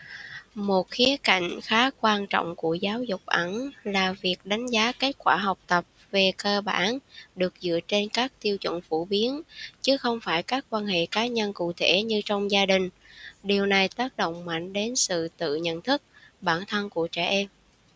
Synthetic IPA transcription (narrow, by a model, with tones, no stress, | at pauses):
mo˨˩t̚xi˨˦əka̰˧˨jŋ̟xaː˨˦kwaː˧nt͡ɕɔ̰˧˨wŋ͡mku˧˩əzaː˨˦wzʊ˨˩k͡p̚ʔə˧˩nlaː˨˩vi˨˩ək̚ɗa˨˦ŋ̟zaː˨˦ke˦˥t̚kwaː˧˩ɦɔ˨˩wk͡p̚t̪ə˨˩p̚ve˨˩kəː˧ɓaː˧˩nɗɨ˨˩ək̚zɨ̰˧˨ət͡ɕe˧nkaː˦˥k̚t̪i˧əwt͡ɕwə̰˧˨nfu˧˩ɓi˨˦ənt͡ɕɨ˨˦xə˧wŋ͡mfaː˧˩jkaː˦˥k̚kːwaː˧nhḛ˧˨kaː˨˦ɲə˧nkṵ˧˨t̪ʰe˧˩ɲɨ˧t͡ɕɔ˧wŋ͡mzaː˧ɗï˨˩ŋ̟ | ɗi˨˩əwna˨˩jt̪aː˦˥k̚ɗo̰˧˨wŋ͡mma̰˧˨jŋ̟ɗe˨˦nsɨ̰˧˨t̪ɨ̰˧˨ɲə̰˧˨nt̪ʰɨ˦˥k̚ɓaː˧˩nt̪ʰə˧nku˧˩ət͡ɕɛ˧˩ʔɛ˧m